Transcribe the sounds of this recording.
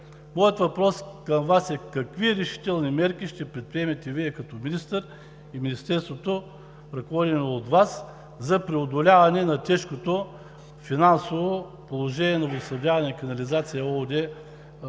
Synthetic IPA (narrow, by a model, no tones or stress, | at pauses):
mɔjət̪vɐpɾɔskɐmvasɛkɐkviɾɛʃi̥t̪ɛlˠnimɛɾkiʃt̪ɛpɾɛt̪̚pɾiɛmɛt̪ɛviɛkɐt̪ɔminist̪əɾ | iminist̪ɛɾst̪vot̪o | ɾɐkovɔd̪inoːt̪vas | zɐpɾɛod̪olʲavɐnɛnɐt̪ɛʃkot̪o | finansovo | polˠoʒɛnʲiɛnɐvosɐvd̪ʲavɐnɛikɐnɐlizat̪sijəɔlˠd̪ɛ